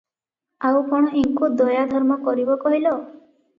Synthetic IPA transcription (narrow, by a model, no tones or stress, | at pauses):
awpɔɽ̃ɔiŋkod̪ɔjad̪ʱɔɾmɔkɔɾibɔkɔɦilɔ